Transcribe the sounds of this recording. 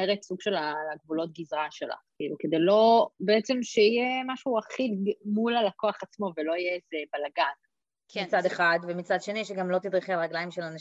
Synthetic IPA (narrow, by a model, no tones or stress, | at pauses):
eʁetsuɡʃe̞lalaɡvulo̞t̪̚ɡizʁaʃela̰χkḭːluke̞d̪ejlo̞beet͡se̞mʃeijemaʃuaχilmulalakoaχat͡smo̞velo̞ijeezebalaɡak | mit͡sad̪eχadvemit͡sad̪ʃe̞niʃeɡamlo̞t̪id̪ʁiχealʁaɡlaimʃelana